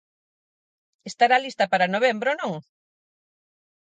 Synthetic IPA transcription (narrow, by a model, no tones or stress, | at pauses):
est̪aɾaːlist̪ɐpaɾɐnoβ̞embɾonõŋ